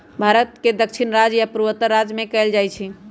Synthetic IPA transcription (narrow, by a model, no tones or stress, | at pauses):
bʱaɾət̪̚ked̪əkʃʰinɾad͡ʒjapɾuwət̪əɾːad͡ʒmẽkəɪld͡ʒajt͡ʃʰi